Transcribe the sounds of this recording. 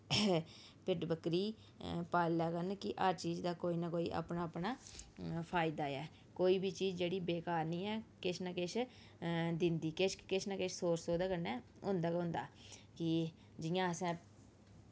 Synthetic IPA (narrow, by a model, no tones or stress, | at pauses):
pɪʈbəkɾiː | paːlaːkənkɪʔaːt͡ʃiːd͡ʒd̪aːkoːiːnakoːḭːʔa̰ːpnaːpnaːpʰaːɪd̪aːɛː | koːiːbiːt͡ʃiːd͡ʒd͡ʒeːɽiːbeːkaːɾniːɛːkɪt͡ʃʰnakɪt͡ʃʰ | d̪ɪ̃nd̪iːkɪʃkɪt͡ʃʰnakɪʃʰsoːɾsoːd̪aːkəɾnɛː | ʊ̰̃nd̪aːkɦʊ̃nd̪aːkɪ | d͡ʒɪjãːəsɛ̃ː